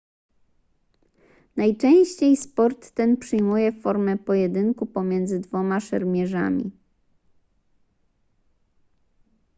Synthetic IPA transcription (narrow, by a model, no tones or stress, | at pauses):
najt͡ʂɛ̃w̃ɕt͡ɕejspɔɾt̪ːɛnpʂɘjmujɛfɔɾmɛpɔjɛd̪ɘŋkupɔmʲjɛnd̪zɘd̪vɔmaʂɛ̰ɾmʲjɛʐa̰mʲḭ